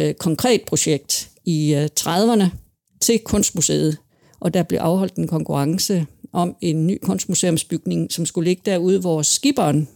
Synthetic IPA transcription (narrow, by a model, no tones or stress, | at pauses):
kʰɒ̽ŋkʰʁɛ̰ːd̥̚pʰʁo̝ɕeɡ̥̚d̥ | it͡sʰʁað̞ˠʋɐnə | t͡sʰe̝lkʰɔ̽n̰sd̥musḛːð̩ˠ | ʔɒ̽d̥ɑ̈b̥le̝ʔɑ̈ʊɦɒ̽l̰d̥e̝nkʰɒ̽ŋkʰuʁɑ̈ŋsəʔɒ̽me̝nːy̰ːkʰɔ̽n̰sd̥̚musḛːomsb̥yɡ̥ne̝ŋsɒ̽msɡ̥ule̝ɡ̥əd̥æɐ̰uð̞ˠʋɒːsːɡ̥ib̥ɐːn